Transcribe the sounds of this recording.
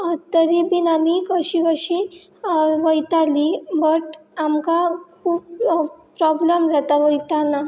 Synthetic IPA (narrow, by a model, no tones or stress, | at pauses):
t̪əɾibinamikəɕiʋəɕi | ʋəjt̪alibəʈamkakʰuːbpɾɔbləmd͡zat̪aʋəjt̪ana